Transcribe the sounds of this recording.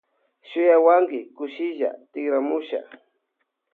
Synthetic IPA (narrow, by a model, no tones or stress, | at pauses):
ʃʊjawaŋɡɪkʊʃɪʒa̰t̪ɪɡɾamʊʃa̰